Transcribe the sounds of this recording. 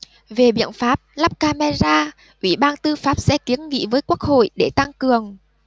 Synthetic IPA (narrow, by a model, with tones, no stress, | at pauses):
ve˨˩ɓḭ˧˨ənfaː˦˥p̚la˦˥p̚kaː˧ma˧zaː˧ | ʔwi˧˩ɓaː˧nt̪ɨ˧faː˦˥p̚sɛ̰˧˥ki˨˦ənŋḭ˧˥vəː˨˦jku˦˥ək̚ho̰˧˨jɗe˧˩t̪a˧ŋkɨ˨˩əŋ